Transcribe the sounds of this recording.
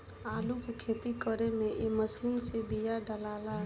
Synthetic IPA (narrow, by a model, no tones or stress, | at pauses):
alukekʰet̪ikəɾemeʔeməsint͡ʃibijaɖəlala